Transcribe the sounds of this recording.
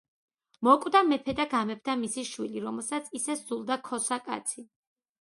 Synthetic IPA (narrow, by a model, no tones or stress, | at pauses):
mɔkʼwd̪amɛpʰɛd̪aɡamɛp̚ʰt̪ʰamisiʃwiliɾɔmɛlˠsat̪sʰisɛsd̪zulˠd̪akʰɔsakʼa̰t̪sʰi